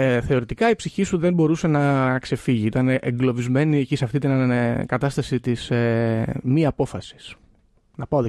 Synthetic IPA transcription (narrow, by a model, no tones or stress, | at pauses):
θe̞o̞ɾit̪ikɐipsiçisuðe̞nbo̞ɾuse̞nɐkse̞fiʝiit̪ɐneʔeŋɡlo̞vizme̞niecisɐft̪it̪inɐkɐt̪ɐst̪ɐsit̪isemiɐpo̞fɐsi̥s | nɐpaoðe